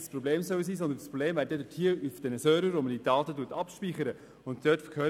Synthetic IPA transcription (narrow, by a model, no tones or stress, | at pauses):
spɾobleːmsœws̬iːsɔnd̪ənspɾobleːmvæːɾdɛdəthiəyfd̥ɛnəsøːɾvəɾomədiːdɑːtətuːtɑpʃpiːχəɾə | ʊnd̥øːtfəkʰøː